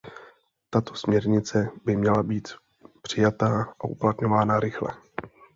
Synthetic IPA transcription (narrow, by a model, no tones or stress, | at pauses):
t̪at̪o̞̥smɲɛɾɲɪt͡sɛbɪmɲɛlabiːt̪ | pr̝̥ɪjat̪aːʔaʔṵplat̪ɲo̞vaːnaɾɪxlɛ̰